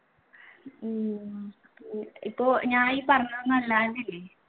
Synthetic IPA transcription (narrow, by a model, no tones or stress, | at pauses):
ipːoːɲaːipɐrɐɲːɐʋɐnːuɐlːaːnilːe